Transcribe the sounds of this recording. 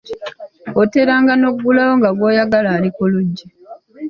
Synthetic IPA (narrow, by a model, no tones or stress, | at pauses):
ote̞ɾaːŋɡano̞ɡːulawoŋɡaɡwoːjaɡalaːlikoluɟːi